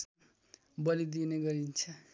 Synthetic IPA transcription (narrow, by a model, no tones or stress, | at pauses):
bʌlid̪ineɡʌɾint͡sʰʌ